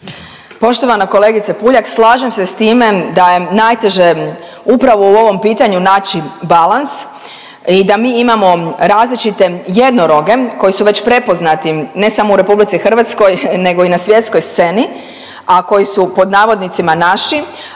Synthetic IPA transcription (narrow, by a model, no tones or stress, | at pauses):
po̞ʃt̪oʋanako̞leɡit̪sepuʎakslˠaːʒe̞mse̞st̪iːme̞d̪ajenajt̪e̞ʒe̞ | upɾaʋouo̞ʋo̞mpiːt̪aɲunaːt͡ʃibalans | id̪amiːimamo̞ɾaːzlit͡ʃit̪e̞je̞d̪noɾo̞ɡe̞ko̞jisuʋe̞t͡ɕpɾe̞po̞znat̪ine̞samouɾe̞publit̪sixr̩ʋat̪sko̞jne̞ɡoinasʋje̞t̪sko̞jst̪se̞ni | ako̞jisupo̞d̪naːʋo̞d̪nit̪simanaʃi